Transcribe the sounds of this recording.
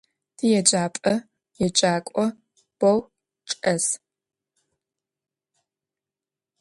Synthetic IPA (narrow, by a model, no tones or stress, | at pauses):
d̥ɨjɛd͡ʒaːpʼɐ | jɛd͡ʒaːkʷʼɔ | b̥ɐw | t͡ʃʼɐs